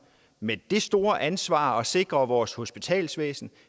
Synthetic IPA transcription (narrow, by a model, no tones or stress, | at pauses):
med̥e̝sd̥o̝ːɐʔænsʋɑ̰̈ːɒ̽se̝ɡ̥ʁɐʋɒːsho̝sb̥it͡sʰɛ̰ːlsʋḛːsn̩